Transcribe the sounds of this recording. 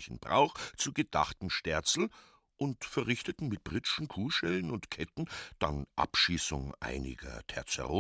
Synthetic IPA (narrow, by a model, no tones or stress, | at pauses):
çn̩b̥ʁa̰ʊxt͡suːɡəd̥aχtm̩ʃtɛɐt͡sl̩ | ʔʊntfɛɐʁɪçtətn̩mɪt̚b̥ʁɪʃn̩kʰuːʃɛlnʊntkʰɛtn̩d̥a̰nʔa̰pʃiːsʊŋʔa̰ɪnɪ̰ɡɐ̰tʰɛ̰ɐt͡sɛ̰ʁoː